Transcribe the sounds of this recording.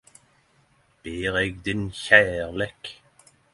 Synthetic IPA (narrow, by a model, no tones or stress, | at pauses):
b̥eːʁɛɡd̪ɪnçæːʁleːk